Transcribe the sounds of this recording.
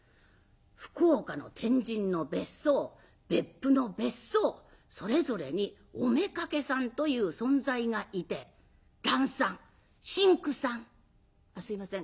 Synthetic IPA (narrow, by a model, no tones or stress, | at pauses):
ɸɯ̟̥koːkano̞̰t̪ʰẽ̞ɲ̟d͡ʑĩnːo̞be̞sːoː | b̥e̞pːɯ̟no̞be̞so̞ː | so̞ɾe̞zo̞ɾe̞̰ɲ̟i | ome̞kake̞sãnt̪o̞jɯ̟ːsõ̞nd͡zaiɡaʔit̪e̞ | ɾãɰ̃sãŋ | ɕĩŋkɯ̟sãŋ | asɨimasẽ